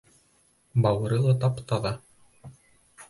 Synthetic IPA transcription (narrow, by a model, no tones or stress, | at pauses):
bɑwɤ̆ɾɤlˠɤt̪̬ɑpt̪ɑðɑ